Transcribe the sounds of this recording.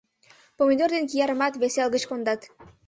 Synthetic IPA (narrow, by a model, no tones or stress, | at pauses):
pomʲid̪ord̪enk̬ijɑɾəmɑt̪βeselɣət͡ɕkond̪ɑt̪